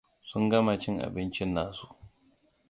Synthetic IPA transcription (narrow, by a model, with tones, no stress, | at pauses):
sʊ˦ŋɡɐ˦ma˨t͡ʃɪ˦ŋʔa̰˨bɪ˦nt͡ʃɪ˦nːaː˨su˦ʔ